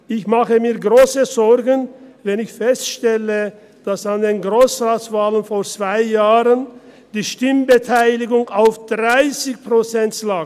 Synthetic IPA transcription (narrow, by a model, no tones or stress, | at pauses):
ʔɪçmaχəmiːɐɡʁoːsəzɔʁɡən̩vɛnɪçfɛstʃtɛlə | d̥asandeːnɡʁoːsʁaːtsv̥aːlənfoːt͡sv̥aɪjaːʁən | d̥iːʃtɪmbətʰaɪlɪɡʊŋaʊfd̥ʁaɪsɪçpʁot͡sɛntlaːk